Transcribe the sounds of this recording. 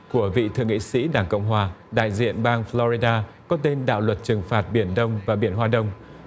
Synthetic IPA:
ku˧˩əvḭ˧˨t̪ʰɨ̰˧˨əŋḭ˧˨sḭ˧˥ɗaː˧˩ŋkə̰˧˨wŋ͡mɦwaː˨˩ɗa̰ː˧˨jzḭ˧˨ənɓaː˧ŋflɔ˧zi˧ɗaː˧kɔ˨˦t̪e˧nɗa̰ː˧˨wlwə˨˩t̚t͡ɕɨ˨˩ŋfaː˨˩t̚ɓi˧˩ənɗə˧wŋ͡mvaː˨˩ɓi˧˩ənɦwaː˧ɗə˧wŋ͡m

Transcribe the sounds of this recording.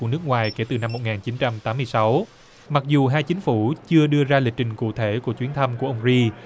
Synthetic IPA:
u˧˩ənɨ˦˥k̚ŋwaː˨˩jke˧˩t̪ɨ˨˩na˧mːo˨˩t̚ŋaː˨˩nt͡ɕi˨˦nt͡ɕa˧mt̪aː˨˦mː˧əjsa˨˦w | ma˨˩k̚zu˨˩ɦaː˧jt͡ɕï˨˦ŋ̟fu˧˩t͡ɕɨ˧əɗɨ˧əzaː˧li˨˩k̚t͡ɕï˨˩ŋ̟kṵ˧˨t̪ʰe˧˩ku˧˩ət͡ɕwi˨˦ənt̪ʰə˧mku˧˩əʔə˧ŋ͡mzi˧

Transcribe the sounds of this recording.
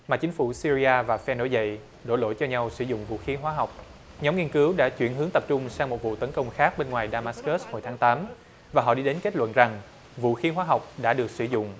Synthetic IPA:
maː˨˩t͡ɕï˨˦ŋ̟fu˧˩si˧ɾi˧aː˧vaː˨˩fɛ˧no˧˦jvə̰˧˨j | ɗo̰˧˩jlo̰˧˩˨jt͡ɕɔ˧ɲa˧wsɨ˧˩zʊ̰˧˨ŋ͡mvṵ˧˨xi˨˦ɦwaː˨˦ɦa˨˩wk͡p̚ | ɲɔ˨˦ŋ͡mŋi˧nkɨ˨˦wɗa̰ː˧˥t͡ɕwḭ˧˩ənɦɨ˨˦əŋt̪ə˨˩p̚t͡ɕʊ˧ŋ͡msaː˧ŋmo˨˩t̚vṵ˧˨t̪ə˨˦nkə˧wŋ͡mxaː˦˥k̚ɓe˧nŋwaː˨˩jɗaː˧maː˦˥skə˦˥sho˨˩jt̪ʰaː˨˦ŋt̪aː˨˦m | vaː˨˩ɦɔ̰˧˨ɗi˧ɗe˨˦nke˦˥t̚lwə̰˧˨nza˨˩ŋ | vṵ˧˨xi˨˦ɦwaː˨˦ɦɔ˨˩wk͡p̚ɗa̰ː˧˥ɗɨ˨˩ək̚sɨ˧˩zʊ̰˧˨ŋ͡m

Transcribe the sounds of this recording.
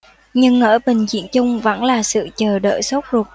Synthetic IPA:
ɲɨ˧ŋʔəː˧˩ɓï˨˩ŋ̟zḭ˧˨ənt͡ɕʊ˧ŋ͡mvə̰˧˥nlaː˨˩sɨ̰˧˨t͡ɕəː˨˩ɗə̰ː˧˨jso˦˥k͡p̚zu˨˩t̚

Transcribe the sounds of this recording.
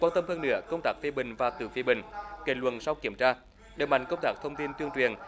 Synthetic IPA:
kwaː˧nt̪ə˧mhəː˧nːɨ̰˧˥əkə˧wŋ͡mt̪aː˦˥k̚fi˧ɓï˨˩ŋ̟vaː˨˩t̪ɨ̰˧˩fi˧ɓï˨˩ŋ̟ke˨˩lwə̰˨˩nsa˧wki˧˩əmt͡ɕaː˧ | ɗe˨˩ma̰˧˨ŋkə˧wŋ͡mt̪aː˦˥k̚t̪ʰə˧wŋ͡mt̪i˧nt̪wi˧əŋt͡ɕwi˨˩ən

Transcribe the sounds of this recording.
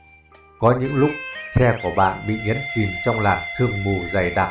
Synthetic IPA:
kɔ˨˦ɲɨ̰˧˥ŋlʊ˦˥k͡p̚sɛ˧ku˧˩əɓa̰ː˧˨nɓḭ˧˨ɲə̰˨˥nt͡ɕi˨˩mt͡ɕɔ˧wŋ͡mlaː˨˩t̚t̪ʰɨ˧əŋmu˨˩za˨˩jɗa˨˩

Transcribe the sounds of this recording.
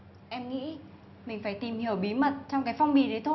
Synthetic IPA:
ʔɛ˧mŋḭ˧˥ | mï˨˩ŋ̟faː˧˩jt̪i˨˩mhi˧˩əwɓi˨˦mə˨˩t̚t͡ɕɔ˧wŋ͡mkaː˨˦jfɔ˧wŋ͡mɓḭ˨˩ɗe˨˦jt̪ʰo˧

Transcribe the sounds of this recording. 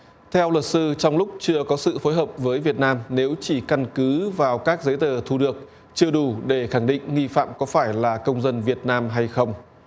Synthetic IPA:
t̪ʰɛ˧wlwə˨˩t̚sɨ˧t͡ɕɔ˧wŋ͡mlʊ˦˥k͡p̚t͡ɕɨ˧əkɔ˨˦sɨ̰˧˨fo˨˦jɦəː˨˩p̚vəː˨˦jvi˨˩ət̚naː˧mne˨˦wt͡ɕi˧˩ka˧nkɨ˨˦vaː˨˩wkaː˦˥k̚zə˨˦jt̪əː˨˩t̪ʰu˧ɗɨ˨˩ək̚ | t͡ɕɨ˧əɗu˧˩ɗe˧˩xa˧˩ŋɗḭ˧˨ŋ̟ŋi˧fa̰ː˧˨mkɔ˨˦faː˧˩jlaː˨˩kə˧wŋ͡mzə˧nvi˨˩ət̚naː˧mɦa˧jxə˧wŋ͡m

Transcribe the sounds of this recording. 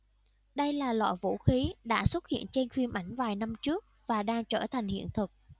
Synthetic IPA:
ɗə˧jlaː˨˩lɔ̰˧˨jvṵ˧˥xi˨˦ɗa̰ː˧˥swə˦˥t̚hḭ˧˨ənt͡ɕe˧nxwi˧mʔa˧˩jŋ̟vaː˨˩jna˧mt͡ɕɨ˦˥ək̚vaː˨˩ɗaː˧ŋt͡ɕəː˧˩t̪ʰa˨˩jŋ̟hḭ˧˨ənt̪ʰɨ˨˩k̚

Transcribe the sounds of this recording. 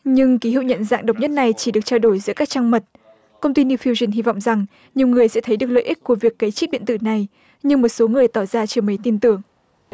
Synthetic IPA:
ɲɨ˧ŋki˨˦ɦḭ˧˨wɲə̰˧˨nza̰ː˧˨ŋɗə˨˩wk͡p̚ɲə˦˥t̚na˨˩jt͡ɕi˧˩ɗɨ˨˩ək̚t͡ɕaː˧wɗo˧˩jzɨ̰˧˥əkaː˦˥k̚t͡ɕaː˧ŋmə˨˩t̚ | kə˧wŋ͡mt̪i˧n˧wfi˧wzi˧˩nɦi˧vɔ̰˧˨wŋ͡mza˨˩ŋ | ɲi˨˩əwŋɨ˨˩əjsɛ̰˧˥t̪ʰə˨˦jɗɨ˨˩ək̚lə̰˧˨ʔi˦˥k̚ku˧˩əvi˨˩əkːa˨˦jt͡ɕi˦˥t̚ɓḭ˧˨ənt̪ɨ̰˧˩na˨˩j | ɲɨ˧ŋmo˨˩t̚so˨˦ŋɨ˨˩əjt̪ɔ˧˩zaː˧t͡ɕi˧˩mə˨˦t̪i˧nt̪ɨ˨˩əŋ

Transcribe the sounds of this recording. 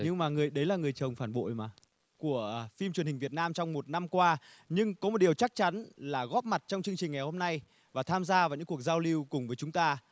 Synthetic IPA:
ɲɨ˧ŋmaː˨˩ŋɨ˨˩əjɗə˨˦jlaː˨˩ŋɨ˨˩əjt͡ɕə˨˩wŋ͡mfaː˧˩nɓo̰˧˨jmaː˨˩ | ku˧˩əfi˧mt͡ɕnhï˨˩ŋ̟vi˨˩ət̚naː˧mt͡ɕɔ˧wŋ͡mmo˨˩t̚na˧mkwaː˧ɲɨ˧ŋkɔ˨˦o˨˩t̚ɗi˨˩əwt͡ɕa˦˥k̚t͡ɕa˨˦nlaː˨˩ɣɔ˦˥p̚ma˨˩t̚t͡ɕɔ˧wŋ͡mt͡ɕɨ˧əŋt͡ɕï˨˩ŋ̟ŋa˨˩jho˧mna˧j | vaː˨˩t̪ʰaː˧mzaː˧vaː˨˩wɲɨ̰˧˥ŋku˨˩ək̚zaː˧wli˧wkʊ˨˩ŋ͡mvəː˨˦jt͡ɕʊ˨˦ŋ͡mt̪aː˧

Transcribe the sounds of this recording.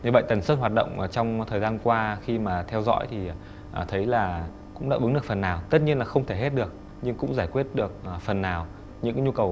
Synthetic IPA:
ɲɨ˨˩ɓə̰˧˨t̪ə˨˩nsəː˦˥n̚ɦwaː˨˩t̚ɗə̰˧˨wŋ͡mʔt͡ɕɔ˧wŋ͡mt̪ʰəː˨˩jzaː˧nkwaː˧xi˧maː˨˩t̪ʰɛ˧wzɔ̰˧˥jt̪ʰi˨˩ | ʔt̪ʰə˨˦jlaː˨˩ | kʊ̰˧˥ŋ͡mɗa̰ː˧˥ʔɨ˨˦ŋɗɨ˨˩ək̚fə˨˩nːaː˨˩wt̪ə˦˥t̚ɲi˧ənlaː˨˩xə˧wŋ͡mt̪ʰe˧˩ɦe˦˥t̚ɗɨ˨˩ək̚ | ɲɨ˧ŋkʊ̰˧˥ŋ͡mzaː˧˩jkwi˦˥ət̚ɗɨ˨˩ək̚ːfə˨˩nːaː˨˩w | ɲɨ̰˧˥ŋkːɲu˧kə˨˩w

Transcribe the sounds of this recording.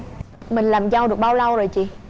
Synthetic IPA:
mï˨˩ŋ̟laː˨˩mza˧wɗɨ˨˩ək̚ɓaː˧wla˧wzo˨˩jt͡ɕi˨˩˨

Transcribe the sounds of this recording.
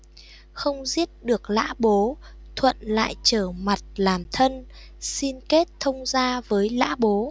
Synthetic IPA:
xə˧wŋ͡mzi˦˥ət̚ɗɨ˨˩ək̚la̰ː˧˥ɓo˨˦ | t̪ʰwə̰˧˨nla̰ː˧˨jt͡ɕəː˧˩ma˨˩t̚laː˨˩mt̪ʰə˧n | si˧nke˦˥t̚t̪ʰə˧wŋ͡mzaː˧vəː˨˦jla̰ː˧˥ɓo˨˦

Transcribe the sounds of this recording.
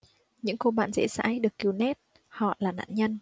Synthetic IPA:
ɲɨ̰˧˥ŋko˧ɓa̰ː˧˨nzɛ̰˧˥sa̰ː˧˥jɗɨ˨˩əkːi˨˩wnɛ˦˥t̚ | hɔ̰˧˨laː˨˩na̰ː˧˥nɲə˧n

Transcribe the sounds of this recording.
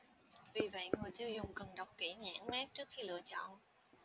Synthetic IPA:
vi˨˩və̰˧˨jŋɨ˨˩əjt͡ɕɨ˧zʊ˨˩ŋ͡mkə˨˩nɗə˨˩wk͡p̚ki˧˩ɲa̰ː˧˥nmɛ˦˥t̚t͡ɕɨ˦˥ək̚xi˧lɨ̰˧˨ət͡ɕɔ̰˧˨n

